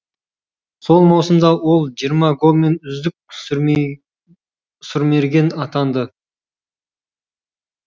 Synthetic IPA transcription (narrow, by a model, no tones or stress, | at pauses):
so̞lˠmɑwsəmd̪ɑwo̞lˠʒijəɾmɑɡome̞nʏzd̪ɪk̚ | sʏɾme̞ɾɡʲe̞nɑt̪ɑnd̪ə